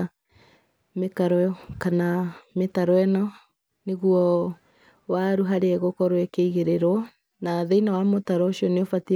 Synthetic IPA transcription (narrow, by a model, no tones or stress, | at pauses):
mekaɾɔɔkanametaɾɔɛnɔ | neɣuɔ | waɾuɦaɾeɛɣokɔɾwɛkeiɣeɾeɾwɔ | naðeinawamotaɾɔɕiɔneofati